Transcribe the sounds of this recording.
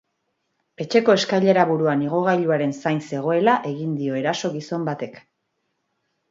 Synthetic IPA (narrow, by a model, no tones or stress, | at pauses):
e̞t͡ʃe̞ko̞e̞skajʎe̞ɾaβuɾuaniɣ̞o̞ɣ̞ajʎuaɾe̞nsajnse̞ɣ̞o̞e̞laʔe̞ɣind̪io̞e̞ɾaso̞ɣiso̞mbat̪e̞k